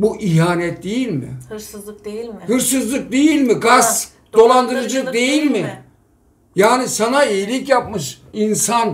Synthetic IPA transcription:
buʔiɦaːnɛt̪̚d̪ejilʲmɪ̰ | hɯɾsɯzlˠɯk̚d̪e̞jilʲmiɡas | d̪̥o̞lˠand̪ɯɾɯd͡ʒak̚d̪e̞jilʲmɪ | jaːnisanaijilʲicjap̚mɯʃinsan

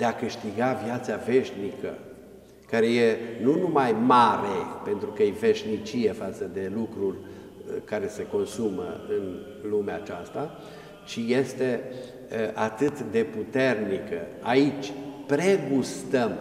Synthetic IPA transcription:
d̪̥e̞akɨʃt̪iɡavjat̪save̞ʃnikə̰ | kaɾe̞je̞nunumajmaɾe̞pe̞nt̪ɾukəjeve̞ʃnit͡ʃije̞fat̪səd̪e̞lukɾurʲ | kaɾe̞se̞ko̞nsumə̰ɨn | lumeat͡ʃast̪a | t͡ʃije̞st̪e̞ | ʔat̪ɨt̪d̪e̞put̪e̞rnikə̰ | ait͡ʃʲpɾe̞ɡust̪əm

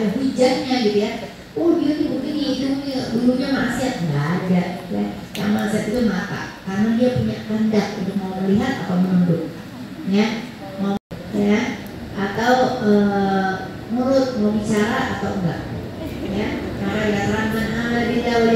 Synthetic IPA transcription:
əɦid͡ʒanɲaɡit̪uja | ʊhdianimuŋkɪniid̪uaduluɲamaʔasiat̪̚ɡaːd͡ʒaʔɡit̪uja̰ | ja̰ŋmanasiɦat̪it̪umat̪a̰ʔkarənadiapuɲaʔləndak̚unt̪ʊk̚mauməliɦat̪at̪awmənundʊt̪̚ | ja | mau | ja | ʔat̪awəː | muɾʊt̪̚maubit͡ʃaɾaʔat̪awŋɡa̰ʔ | jakaɾaŋasəɾanbanadit̪a

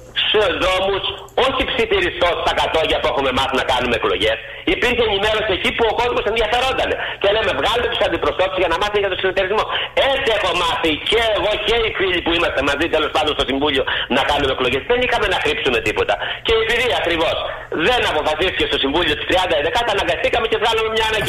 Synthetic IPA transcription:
sseðɾo̞mus | o̞çipsiθiɾist̪o̞st̪ɐkɐt̪o̞ʝɐpue̞xume̞mɐθinɐkɐnume̞ːklo̞ʝe̞s | ipiɾçeːnime̞ɾo̞siecipuo̞ko̞zmo̞se̞nðjɐfe̞ɾo̞nd̪ɐne̞̰ce̞leme̞vɣɐlumet̪usɐnd̪ipɾo̞st̪o̞t̪zʝɐnɐmɐθimeʝɐt̪o̞sint̪ːeɾizmo̞et͡sie̞xo̞mɐθiceːɣo̞ce̞ifiʎipuimɐst̪e̞mɐzit̪elo̞spɐnd̪ost̪o̞siɱvuʎio̞nɐkɐnume̞klo̞ʝesðenixɐme̞nɐxɾipsume̞t̪ipo̞t̪ɐce̞ipiɾiɐkɾivo̞s | ðe̞nɐpo̞fɐsist̪icest̪o̞siɱvuʎio̞t̪i̥st̪ɾiɐnd̪ɐeðekɐt̪ɐnɐŋɡɐst̪ikɐme̞ce̞vɣɐlume̞mɲɐːnɐi

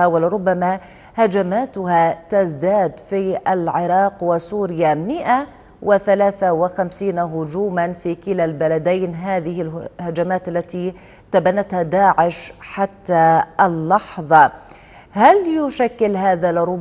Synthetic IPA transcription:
awalɪɾˤʊbːama | had͡ʒamaːt̪ʊhat̪azd̪aːd̪fiʔalʕɪɾˤɑːqwɪsuːɾɪjamɪʔa | wɪθalaːθawɪxamsiːnɦʊd͡ʒuːmanfikɪlalbalad̪ajnɦaːðɪhɪlhad͡ʒamaːt̪ʔalːat̪i | t̪abanːat̪had̪aːʕɪʃħat̪ːalːɑħðˤɑ | haljʊʃakːɪlɦaːðalɾˤʊ

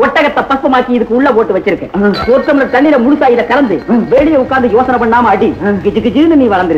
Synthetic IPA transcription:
ɔʈːɐɣɐt̪ːɐpɐspɐmaːɾkiɪðɯkːɯʊɭːɐp̬oːʈːɯʋɐt͡ʃːɪɾɯkːɛ̰kɔɾk̪ːɐmɐnɐt̪ɐɭːɪlɐmʊɽʊsaːjɪðɐkɐɾɐnd̪ɯʋeːɭɪjɐʊkːaːnd̪ɐjoːsɐnɐpːɐɳːaːmɐɽiɡɪd͡ʒɯɡɪd͡ʒɯnɯniːʋɐɻɐnd̪ɪɾ

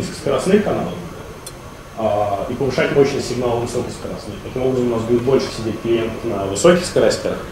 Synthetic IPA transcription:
sʲskəɾɐsnɨxkɐnalˠə | aipəvɨʂatʲmo̞ɕnəsʲɪɡnalˠəvɨsokəskəɾasnɨxt̪ɐkʲimo̞bɾəzəmʊnasbudʲɪt̪̚bo̞lʲʂɨ̥sʲɪdʲet̚ʲpʲɪɾʲɪjemt̪əfnəvɨso̞kʲɪxskɐɾasʲtʲɪɾəx

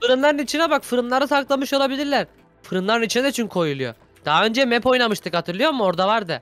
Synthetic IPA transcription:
fɯɾɯnlˠaɾɯnit͡ʃʰinɛbakfɯɾɯnlˠaɾɯsaklˠamɯʃolˠabilʲiɾlʲæɾ | fɯɾɯnlˠaɾɯnit͡ʃʰinɛnyt͡ʃʰinkʰo̞julˠujo̞̰ | d̪̥aɦaø̞nd͡ʒɛmɛpo̞jnamɯʃt̪ʰɯkhat̪ʰɯɾlˠɯjo̞ɾmɯo̞ɾd̪avaɾd̪ɯ

